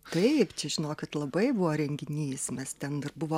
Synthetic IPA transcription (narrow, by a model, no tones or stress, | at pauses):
t̪ɐɪpt͡ʃʲɛʒʲɪnoːkʲɪt̪lˠɐbɐɪbʊʋoːɾʲɛŋʲɡʲɪnʲiːsmʲɛst̪ʲɛnɪrbʊʋoː